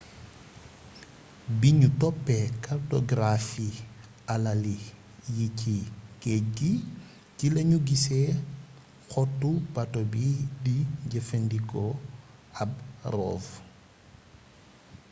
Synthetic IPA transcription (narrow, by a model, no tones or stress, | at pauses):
biɲutɔpːɛkartoɡɾafi | alali | jicikɛc̚ɡi | kilɐɲuɡisɛ | xɔtːupatobidiɟɐfendikɔ | ɐb̚rɔ̰ːv